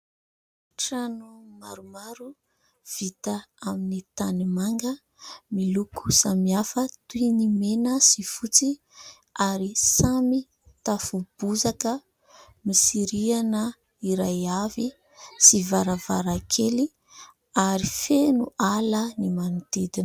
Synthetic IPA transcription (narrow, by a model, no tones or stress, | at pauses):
ʈ͡ʂanumaɾumaɾu | v̥it̪əaminit̪animaŋɡə | miluku̥samiafət̪uinimenəsifut͡si | aɾisami | t̪afub̥uzakə | misiɾianə | iɾajavi | sivaɾavaɾakʰeli | aɾifenualənimanut̪id̪in